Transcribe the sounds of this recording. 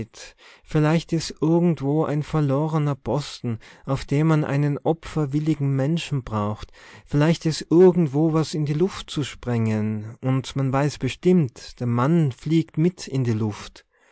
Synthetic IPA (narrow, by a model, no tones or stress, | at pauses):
tfɪɐlaɪçtɛstʔɪɐɡŋ̩tv̥oːʔa̰ɪnfɛɐloːʁənɐpʰɔstn̩ʔaʊfd̥eːmanʔa̰ɪnənʔɔpfɐvɪlɪɡŋ̩mɛnʃn̩bʁaʊxtfɪlaɪçtɛstʔɪɐɡŋ̩tv̥oːvasɪndiːlʊftt͡suʃpʁ̥ɛŋənʔʊntmanvaɪsb̥əʃtɪmtd̥eːɐmanfliːktmɪtʰɪndiːlʊft